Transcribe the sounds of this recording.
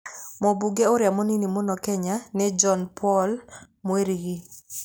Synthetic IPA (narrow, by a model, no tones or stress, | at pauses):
mɔbuɡeoɾjamoninimonɔkɛɲanɛd͡ʒɔnpʰɔl | mweɾiɡi